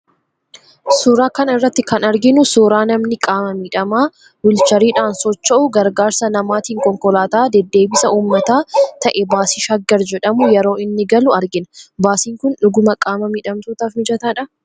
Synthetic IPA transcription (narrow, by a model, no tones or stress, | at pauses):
suːɾaːkɐnɪrːɐt̪ːɪkɐnɐɾɡɪnʊsuːɾaːnɐmnɪkʼaːmɐmiːᶑɐmaː | wʊlt͡ʃɐɾiːᶑaːnsɔt͡ʃːɐʔʊɡɐɾɡaːɾsɐnɐmaːt̪iːŋkɔŋkɔlaːt̪aːd̪ɛd̪ːe̞ːbɪsɐuːmːɐt̪aːt̪ɐʔɛbaːsɪʃɐɡːɐɾd͡ʒɛᶑɐmʊjɛɾo̞ːɪnːɪɡɐlʊɐɾɡɪnɐbaːsiːŋkʊnᶑʊɡʊmɐkʼaːmɐmiᶑɐmt̪uːt̪aːfmɪd͡ʒɐt̪aːᶑɐ